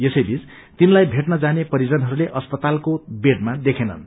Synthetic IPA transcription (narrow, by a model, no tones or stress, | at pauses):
jesʌjbʱid͡z | t̪inlajbʱeʈnʌd͡zanepʌɾid͡zʌnɦʌɾuleʔʌspʌt̪alkobeʈ̚mad̪ekʰenʌ̰n